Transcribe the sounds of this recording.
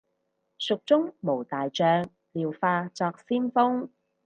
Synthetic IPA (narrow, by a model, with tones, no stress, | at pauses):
sʊ˨k̚t͡sʊ˥ŋmo˨˩wt̪aː˨jt͡ʃœː˧ŋ | liː˨˩wfaː˧t͡sɔː˧k̚siː˥nfʊ˥ŋ